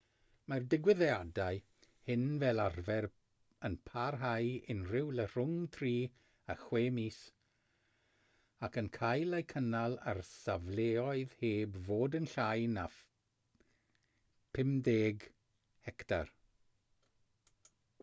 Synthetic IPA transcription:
mardɪɡwɪðɛadaɨ | hɪnvɛlˠarvɛr | ənpʰarɦajɪnrɪwlər̥ʊŋtʰriː | aχweːmiːs | akənkʰajlˠejkʰənalˠa̰rsavleːɔɨð̥heːbvoːdənɬajna | pʰɪmdeːɡ | hɛktʰa̰r

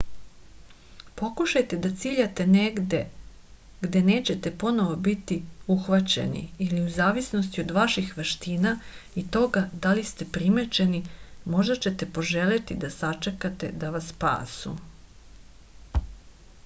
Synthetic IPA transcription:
po̞kuʃajt̪e̞d̪at̪siːʎat̪e̞neɡd̪e | ɡd̪e̞neːt͡ɕe̞t̪e̞po̞no̞ʋo̞bit̪iuxʋat͡ɕḛnḭiliuzaːʋisno̞st̪iod̪ʋaʃixʋeʃt̪iːnait̪o̞ɡad̪alist̪e̞pɾimet͡ʃe̞nimo̞ʒd̪at͡ɕe̞t̪e̞po̞ʒelet̪id̪asat͡ʃe̞kat̪e̞̰d̪aʋasːpa̰ːsṵ

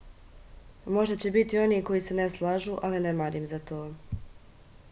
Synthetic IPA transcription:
mo̞ʒd̪at͡ɕe̞bit̪io̞niko̞jise̞neslˠaʒuʔalinemaɾimzat̪o̞ː

